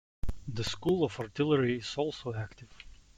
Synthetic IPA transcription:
ðəskulˠɔvaɹtɪlˠəɹiɪz̥ɔlˠsoʊæktɪv̥

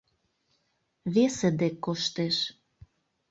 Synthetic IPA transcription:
βesĕd̪ekːoʃt̪eʃ

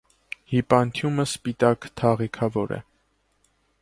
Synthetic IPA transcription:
hipɑnt̪ʰjuməspit̪ɑkt̪ʰɑʁikʰɑvɔɾɛ̰

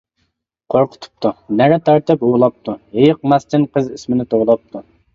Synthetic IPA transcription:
qʰoɾqʰʊ̥t̪ʰu̥p̚t̪ʰunæɾɛt̪ʰæɾt̪ɪpulˠɑp̚t̪ʰuhejɪq̚mɛst̪ʰɪnqʰəzismɪnɪt̪ʰowlˠɑp̚t̪ʰu

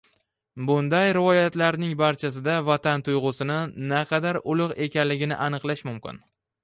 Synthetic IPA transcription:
bʊnd̪ajɾɪvɒjat̪laɾnɪŋbaɾt͡ʃʰas̬ɪd̪avat̪ʰant̪ʰʊjʁʊsɪnɪnaqʰɑd̪aɾʊlˠʊqe̞kʲanlɪɡʲɪnɪ̰ʔanɨqlˠaʃmʊmkʲɪ̰n

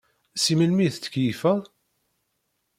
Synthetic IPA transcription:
siməlmiθt̪kifæ

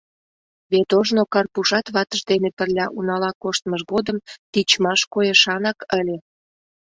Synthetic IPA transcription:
βet̪oʒnokɑrpuʃɑt̪βɑt̪əʃd̪enepərlʲɑʔunɑlɑkoʃt̪məʒɣod̪əmt̪it͡ɕmɑʃkojeʃɑnɑkəlʲe

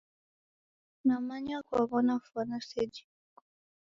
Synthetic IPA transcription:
namaɲakwaβɔnafwanasɛd͡ʒi

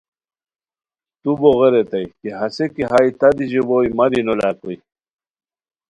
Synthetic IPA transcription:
t̪uboɣeɾet̪ajkeɦasekiɦajt̪ad̪iʑebojmaɾinolakoj

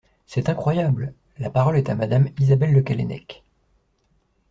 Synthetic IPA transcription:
sɛt̪ɛ̃kχwajabl | lapaʁɔlɛt̪amad̪amizabɛlːəkalɛ̰nɛ̰k

